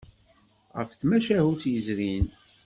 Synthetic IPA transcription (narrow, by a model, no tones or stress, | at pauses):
ʁə̰fθmæʃæhut͡sːjəzɾin